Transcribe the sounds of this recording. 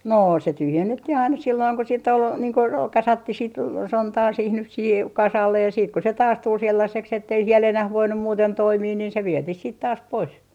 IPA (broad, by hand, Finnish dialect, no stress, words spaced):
noː se tyhjenːetːih ɑinɑ silːoiŋ ko siːtː ol niːŋ ko roː kɑsɑtːih sit sontɑː siːh nyh siːhe kɑsɑlːej jɑ jɑ siːt ko se tɑːs tul selːɑseks etːei siel enæh ʋoinːu muːten toimiː niːn se ʋietih siːt tɑːs pois